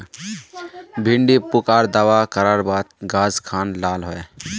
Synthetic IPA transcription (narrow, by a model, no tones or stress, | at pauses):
bʱɪ̃ɳɖipʊkaːɾd̪aʋakəɾaːɾbaːt̪ɡaːzkʰaːnlaːlɦoːeː